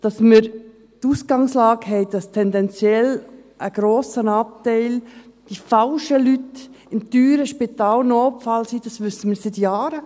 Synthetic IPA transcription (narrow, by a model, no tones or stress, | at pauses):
d̥ɑsməɾ | tuːsɡ̥ɑŋslɑːɡɦɛɪd̥ɑstʰɛndɛnt͡sjɛlʔəɡ̥ɾoːsənɑːp̚tɛɪl | d̥ifɑlʃəlytɪmtyːɾəʃpɪtɑːlnoːpfɑlsiːd̥ɑsʋʏsəməɾsɪtjɑːɾə